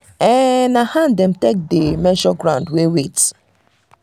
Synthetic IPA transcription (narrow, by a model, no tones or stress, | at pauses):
ɛnahandɛm̩tek̚demɛ̃nʃɔɡɾãʊ̃ndwewet